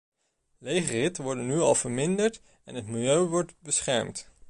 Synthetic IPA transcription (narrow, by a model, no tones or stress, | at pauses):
lejχərɪtʋɔɹdənyɑlˠv̥əɹmɪndəɹt | ɛnɦətmɪlˠjøɥʋɔɹtbəsχɛɹmt